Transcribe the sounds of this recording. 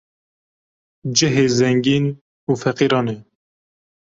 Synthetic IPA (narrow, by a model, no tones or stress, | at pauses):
d͡ʒɨɦeːzɛŋɡiːn | uːfɛqiːɾɑːne